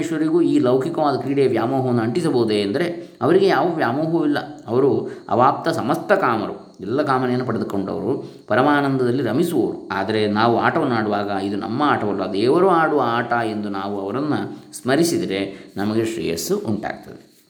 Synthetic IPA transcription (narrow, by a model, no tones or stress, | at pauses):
ʂʋɐɾiɡuiːlɐwkʰikɐʋaːd̪ɐkɾiːɽeːʋjaːmoːɦɐʋɐnːuɐɳʈisɐboɦud̪eːɐnd̪ɐɾe̞ɐʋɐɾiɡe̞jaːʋɐʋjaːmoːɦuilːɐ̰ɐʋɐɾuɐ̰ʋaːp̚t̪ɐsɐmɐst̪ʰɐkaːmɐɾṵid̪ɛlːɐkaːmɐnɛjɐnːup̬ɐɽed̪uko̞ɳɖɐ̰ʋɐɾupɐɾɐmaːnɐnd̪ɐd̪ɐlːiɾɐmisuʋo̰ɾua̰ːd̪ɐɾe̞naːʋua̰ːʈɐʋɐnːaːɽuʋaːɡɐid̪unɐ̰mːɐaːʈɐʋɐlːɐd̪eːʋɐɾuaːɽuʋɐaːʈɐe̞nd̪unaːʋuɐʋɐɾɐnːɐsmɐɾisid̪iɾe̞nɐmɐɡe̞ʃɾḭːjɐ̰suuɳʈa̰ːɡ̚t̪ɐd̪e